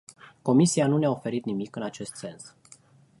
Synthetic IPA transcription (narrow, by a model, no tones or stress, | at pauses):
ko̞misianuneaofe̞ɾit̪nimikɨnat͡ʃe̞st̪se̞ns